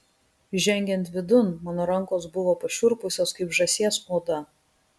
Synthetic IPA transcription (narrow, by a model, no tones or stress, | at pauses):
ʒʲɛŋʲɡʲɛnt̪ʋʲɪd̪ʊnmɑːnoːɾɐŋˑkoːsbʊʋoːpɐʃʲʊɾpʊsʲoːskɐɪpʒɐsʲiɛsoːd̪ɐ